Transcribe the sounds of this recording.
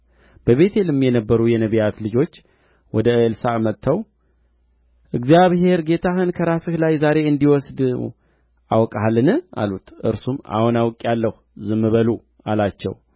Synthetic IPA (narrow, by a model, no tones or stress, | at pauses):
b̥əβe̞t̪ʰelɨmːjɛnəbːəɾujɛnəβijat̪lɨd͡ʒo̞t͡ʃː | wɔd̪əlsamət̪ʰːəw | ʔɨɡzijaβhe̞ɾɡe̞t̪ʰahɨnkʰəɾasɨhlajzaɾe̞ɨnd̪iwɔsd̪ | ʔawkʼaalːɨnɨʔa̰lut̪ʔɨ̰ɾsuma̰hunawkʼjalːəhuzɨmːɨβəlu | alat͡ʃːɛ̰w